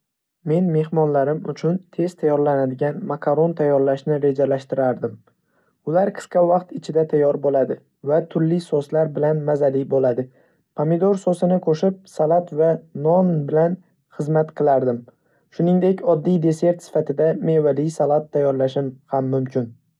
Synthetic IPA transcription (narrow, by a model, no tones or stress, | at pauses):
me̞nme̞hmɒnlaɾɪmʊ̰t͡ʃʰʊnt̪ʰe̞z̥t̪ʰajːɒɾlanad̪ɪɡʲanmakʰaɾo̞nt̪ʰajːɒɾlaʃnɪɾe̞d͡ʒalaʃt̪ɪɾaɾd̪ɪm | ʊlaɾqʰɨ̥sqɑvɑqt̪ɪt͡ʃʰɪd̪at̪ʰajːɒɾbolad̪ɪ | vat̪ʰʊɾlɪsoslaɾbɪlanmazalɪbolad̪ɪ | pʰamɪd̪oɾsosɪnɪkʰoʃɪp̚salˠat̪vanɒnbɪlan | χɨzmat̪qʰɨlˠaɾd̪ɪm | ʃʊnɪŋd̪e̞kʲɒd̪ːijd̪e̞se̞ɾt̪sɪ̥fat̪ʰɪd̪amevalisalˠat̪ʰːajːɒɾlaʃɪmhamːʊmkʲʰɪn